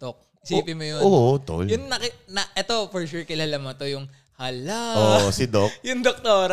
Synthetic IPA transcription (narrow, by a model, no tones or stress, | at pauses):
d̪̥ok̚ | ɪspɪmʊjoot̪o̰ljʊnːɐkɪnɐʔɛt̪o̞fɔɹʃuɹkɐlɐlɐmɐt̪ojʊŋ | hɐlaosɪd̪okjʊŋd̪ok̚t̪oːɾa